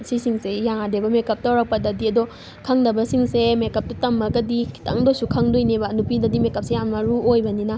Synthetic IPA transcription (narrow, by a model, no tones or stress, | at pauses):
sisiŋsejaŋadebɐmekɐp̚tɐwɾɐk̚pɐdɐdiɐdo | kʰɐŋdɐbɐsiŋsemekɐp̚tutɐmːɐɡɐdikʰi̥tʰɐ̰ŋdosukʰɐŋdojnebɐnupidɐdimekɐp̚sejamnɐɾuojbɐninɐ